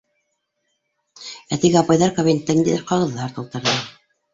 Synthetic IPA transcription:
æt̪iɡɘɑpɑjðɑɾkoβent̪ːænd̪iðɘɾqɑʁɤ̆ðːɑɾt̪ŏlˠt̪ɤ̆ɾðɤ

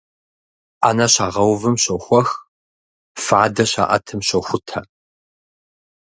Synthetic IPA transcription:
ʔaːnɐɕaːʁɐwvɨmɕɐxʷɔx | faːdɐɕa̰ːʔɐ̰tʰɨmɕɐxʷʊtʰɐ

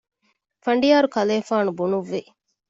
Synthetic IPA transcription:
fɐɳ̆ɖijaːɾukɐleːfaːnubunuʋːi

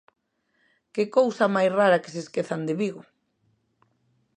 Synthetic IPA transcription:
kekowsɐmajsraɾɐke̥seskeθand̪eβiɣʊ

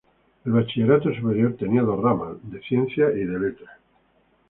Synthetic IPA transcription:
elβat͡ʃiʎeɾat̪osupe̞ɾjoɾt̪eniaðoramad̪eθjen̟θjaʔiðelet̪ɾa

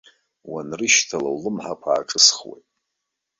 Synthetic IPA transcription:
wanrɨʃtʰalawlɨmħakʷʰa̰ːʈ͡ʂʼɨsχwḛjtʼ

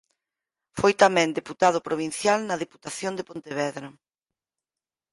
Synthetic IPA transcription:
fojt̪amɛ̃nd̪eput̪aðʊpɾoβ̞in̟θjalnɐðepu̥t̪aθjond̪epont̪eβɛðɾɐ

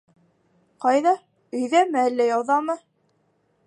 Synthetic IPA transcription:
qɑjðɑ | ɵ̆jðæmɘælːæjɑwðɑmɤ

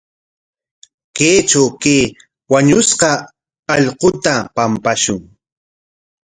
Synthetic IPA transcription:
keːt͡ʃawkeː | waɲʊsqɑː | ʎqʊt̪apampaʃʊŋ

